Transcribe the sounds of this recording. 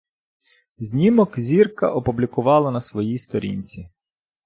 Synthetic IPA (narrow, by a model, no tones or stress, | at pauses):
zʲnʲimɔkzʲirkɐ̰ʔɔpublʲikʊʋɑlˠɐnɐsʋɔjijst̪ɔɾʲḭnʲt͡sʲi